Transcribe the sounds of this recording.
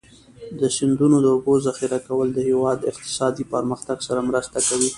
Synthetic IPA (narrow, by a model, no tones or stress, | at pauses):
d̪əsɪnd̪unod̪əʊbozaxiɾakawəld̪əhewɑd̪ɪq̚t̪ɪ̥sɑd̪ipəɾməxt̪aɡsaɾamɾəst̪akawi